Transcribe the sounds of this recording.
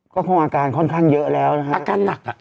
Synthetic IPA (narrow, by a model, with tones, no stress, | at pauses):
kɔ˨˦xə˧wŋ͡mʔaː˨˩kaː˨˩nxɔ˧nxa˧nzə̰ː˧˨lɛ˨˩whaː˨˧˩ka˧na˨˩k